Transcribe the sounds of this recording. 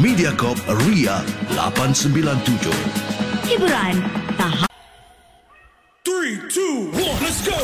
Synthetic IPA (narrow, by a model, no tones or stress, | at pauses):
mĩdiakɔp̚riala̰pansəmbilant̪ud͡ʒo̰hibuɾant̪aɦa | tɹitʰuwɔsɡo